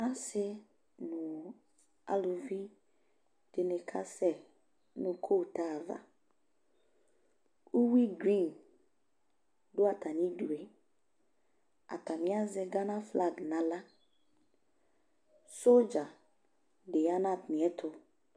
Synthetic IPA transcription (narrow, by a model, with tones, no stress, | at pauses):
a˦sɪ˦ | nʊ̃˨ | a̰˦lʊ˨vi˦ | d̥ɪ˨nɪ̃˨kʰa˦sɛ˨ | nʊ̃˨kʰo˦˨ta˦˨va̰˨ | u˦wi˦ɡɾĩ˦˨n | dʊ˦a˨tʰa˨nĩ˦du˨e˨ | a̰˨ta˨nɪ̃˦a˦zɪ˨ɡa˦nã˦fla˦˨ɡnã˨la˦ | so˦d͡ʒa˨ | dɪ˨a˦nã˨tnɪ̃˨ɛ˦tʰʊ˨